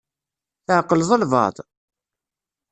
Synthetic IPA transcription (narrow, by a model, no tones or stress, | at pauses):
θəʕqːəlzˤəlvɑ̰t̪ˤ